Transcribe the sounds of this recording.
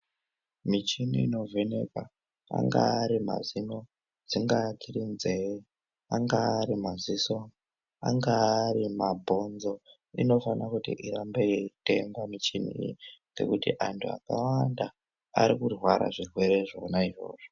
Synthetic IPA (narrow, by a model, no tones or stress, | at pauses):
mit͡ʃiniino̞vʱe̞ne̞kwa | a̰ŋɡaːɾima̰zino | d͡ziŋɡatirinze̞ | aŋɡaːɾimaziso | aŋɡaːrimabʱo̞nzo̞ | ino̞fanakutḭʔiɾambe̞ite̞ŋɡwamit͡ʃinḭjid͡ze̞̰kutiʔantʰua̰kawanda | aɾikurwaɾa̰ʐirwe̞ɾe̞ʐonaiʐo̞̰ːʐ̥o